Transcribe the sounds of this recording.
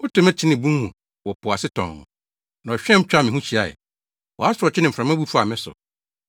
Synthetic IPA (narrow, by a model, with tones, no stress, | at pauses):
ɔ˦tʰʊ̃˨˦mɛ˦t͡ɕʰɪ˦nɪ̃˨bũ˦hũ˨ | wɔ˨pʰʊ˨a˨sɪ˦tʰɔ̰̃˨ŋːʊ̰̃˨ | nã˨ɔ˨ɕᶣɛ̃˦m̩˦t͡ɕᶣa˦mɪ̃˨ɦũ˦t͡ɕʰi˨a˨jɛ̰˨ | wɔ̰˨a˦sʊ˨ɾɔ˨t͡ɕʰɪ˦nɪ̃˨fɾã˨mã˦bu˦fu˦a˨mɪ̃˦sʊ̰˨